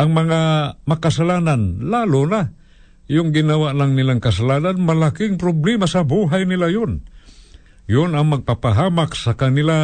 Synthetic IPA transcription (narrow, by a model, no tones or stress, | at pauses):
ʔɐŋmɐŋamakasalaːnanlaːlʊna | jʊŋɡɪnɐwaʔlaŋnɪlaŋkɐs̬alaːnanmɐlakɪŋpɾoblɛmasɐbuɦajnɪlajʊn | jʊnɐŋmɐɡ̚papaɦaːmaksɐkɐnɪla